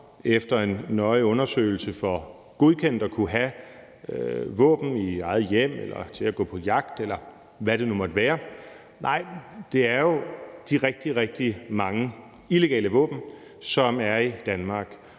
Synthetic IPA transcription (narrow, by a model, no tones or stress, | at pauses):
efd̥ɐe̝nːɒ̽ɪɔ̽nɐsø̰ːɪl̩səfɒ̽ | ɡ̥o̝ð̞ˠkʰen̰d̥ɒkʰuɦæ | ʋɔ̰̽ːb̥n̩iɑ̈ɪð̩ˠjem̰elɐt͡sʰe̝læɡ̥ɔ̰̽ːpʰɒ̽jɑ̈ɡ̥d̥elɐ | ʋæɾ̥e̝numɒ̽d̥əʋæːɐ | nʔɑ̈ɪ̰d̥e̝æɐjo̝d̥iʁɛɡ̥̚d̥iʁɛɡ̥̚d̥imɑ̈ŋə | ile̝ɡ̥ɛ̰ːləʋɔ̰̽ːb̥n̩ | sɒ̽mæɐid̥ænmɑ̈ːɡ̥